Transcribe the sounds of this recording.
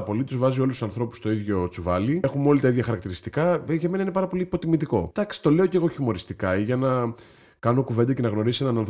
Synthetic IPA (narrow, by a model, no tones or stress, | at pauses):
ɐpo̞lit̪uzvɐzio̞lusu̥sɐnθɾo̞pu̥st̪o̞iðʝo̞t͡suvɐlie̞xumo̞lit̪ɐiðʝɐxɐɾɐk̚t̪iɾist̪ikɐʝɐme̞nɐine̞pɐɾɐpo̞liːpo̞t̪imit̪iko̞̰d̪̥ɐksi̥t̪o̞le̞o̞ce̞ɣo̞çimo̞ɾist̪ikɐiʝɐnɐ | kɐno̞kuve̞nd̪ɐce̞nɐɣno̞ɾisenɐnɐnθ